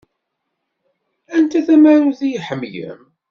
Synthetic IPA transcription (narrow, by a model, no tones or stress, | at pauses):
ænt̪æθæmaɾuθijħəmjə̰m